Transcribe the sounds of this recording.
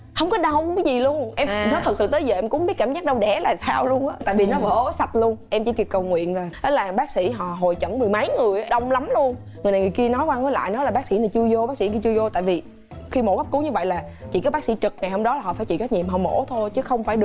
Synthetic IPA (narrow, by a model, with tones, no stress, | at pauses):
hə˧wŋ͡mkɔ˨˦ɗə˧wka˨˦jzi˨˩lu˧ənʔɛ˧m˨˦t̪ɨ˨˩sɨ̰˧˨t̪əː˨˦jzəː˨˩ʔɛ˧mkʊ̰˧˥ŋ͡mɓi˦˥t̚kaː˧˩mzaː˦˥ɗə˧wɗɛ˧˩laː˨˩saː˧wlu˧ənʔaː˨˦t̪a̰ː˧˨jvi˨˩nɔ˨˦və̰ː˧˩˨sa˨˩t̚lu˧ənʔɛ˧mt͡ɕḭ˧˩˦ki˨˩kə˨˩wŋwḭ˧˨ənlaː˨˩ə˨˦laː˨˩ɓaː˦˥k̚sḭ˧˥ɦɔ̰˧˨ɦo˨˩jt͡ɕə˧˩nmɨ˨˩əjmə˨˦jŋɨ˨˩əjʔa˨˦ɗə˧wŋ͡mla˨˦mlu˧ən | ŋɨ˨˩əjna˨˩ŋɨ˨˩əjki˧nɔ˨˦jkwaː˧ŋɔ˨˦la̰ː˧˨jnɔ˨˦laː˨˩ɓaː˦˥k̚sḭ˧˥naː˨˩jt͡ɕɨ˧əzo˧ɓaː˦˥k̚sḭ˧˥kt͡ɕɨ˧zo˧t̪aː˧˨jvi˨˩ | xi˧mo˧˦ka˦˥p̚ku˨˦ɲɨ˧və̰˧˨jlaː˨˩ | t͡ɕḭ˧˨kaː˨˦jɓa˦˥k̚sḭ˧˥t͡ɕɨ˨˩k̚ŋa˨˩jho˧mɗɔ˨˦laː˨˩ɦɔ̰˧˨faː˧˩˦jt͡ɕḭ˧˨˩za˦˥t̚ɲḭ˨mɦɔ˨˩wmo̰˧˥t̪ʰo˧jt͡ɕɨ˨˦xə˧wŋ͡mfaː˧˩jɗɨ˨˩ə